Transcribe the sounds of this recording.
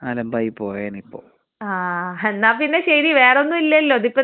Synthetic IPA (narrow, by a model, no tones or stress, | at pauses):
alɐmbɐjpːoːjeːnipːo̰ː | aːɐnːaːpinːeɕɐɾiʋeːronːumilːɐjɐlːoːðipːo